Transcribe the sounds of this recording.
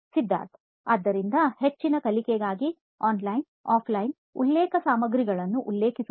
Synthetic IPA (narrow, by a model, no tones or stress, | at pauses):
sid̪ʱːa̰ːɾt̪ʰ | ɐd̪ːɐɾind̪ɐhet͡ʃːinɐkɐlikɛɡaːɡi | aːnlɐjn | aːpʰlɐjn | ṵlːeːkɐsaːmɐɡɾiɡɐɭɐnːuʔulːeːkisu